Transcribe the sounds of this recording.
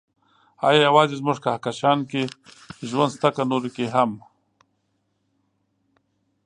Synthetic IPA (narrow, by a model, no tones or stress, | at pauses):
ɑ̰ːjɑjawɑːzezmʊʐkahakaʃɑːnke | ʒwand̪st̪akanoɾikeɦam